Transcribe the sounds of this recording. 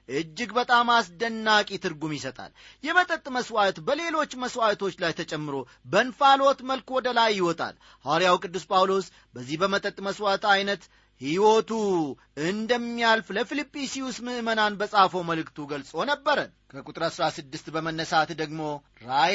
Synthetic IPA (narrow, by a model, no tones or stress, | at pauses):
ʔɨd͡ʒːɪɡbət̪ʼamasd̪ənːakʼit̪ʰɨɾɡumjɪsət̪ʼa̰ljɛmət̪ʼət̪ʼːməswat̪bəle̞lo̞t͡ʃːməswat̪ʰo̞t͡ʃːlajt̪ʰət͡ʃʼɛmːɨɾo̞ | bənfalot̪məlkwɔd̪əlajːɪwɔt̪ʼa̰l | haɾijawkʼɨd̪ːuspʼawlo̞s | bəzːihbəmət̪ʼət̪ʼməswat̪ajnət̪ | hiwot̪u | ɨnd̪əmːijalfləfilipʼːisiwusmɨʔmənanbəsʼafowməlɨkt̪ʰuɡəlsʼo̞nəbːəɾənkʰəkʼut̪ʼɾəsɾasɨd̪ːɨst̪bəmənːəsat̪d̪əɡmo̞ | ɾa